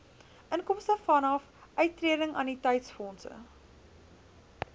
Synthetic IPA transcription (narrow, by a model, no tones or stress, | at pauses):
ʔənkɔmstəfɐnɐf | ʔœɥtːriədəŋɑ̰ːnitɛjtsfɔnsə̰